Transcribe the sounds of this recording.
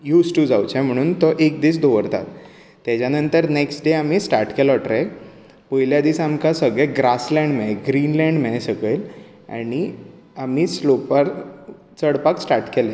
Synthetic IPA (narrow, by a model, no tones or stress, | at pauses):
juːsʈud͡zawt͡ɕɛm̤əɽ̃uːnt̪ɔʔek̚d̪iːsd̪oʋəɾt̪a̰t̪ː | jat͡ɕjanənt̪əɾneksʈɖeamiːsʈaɾʈkɛlɔʈɾɛk | pojljad̪iːsamkasəɡɭɛɡɾaslɛ̃ɳɖmɛɡɾiːnlɛ̃ɳɖmesəɡɭel | a̰ɽ̃i | amiːslopaɾ | t͡səɽpaksʈaɾʈkɛlẽ